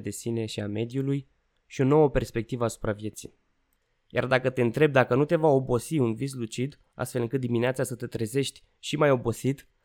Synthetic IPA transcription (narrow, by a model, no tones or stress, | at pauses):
d̪e̞sine̞ʃiame̞d̪juluj | ʃio̞no̞wəpe̞rspe̞k̚t̪ivəasu̥pɾavje̞t̪sḭ | ja̰rd̪akət̪e̞ɨnt̪ɾe̞b̚d̪akənut̪e̞vao̞bo̞siunvis̬lut͡ʃid̪ | a̰st̪fe̞lɨŋkɨt̪̚d̪imineat̪sasət̪e̞t̪ɾeze̞ʃt̪ʲ | ʃimajo̞bo̞sit̪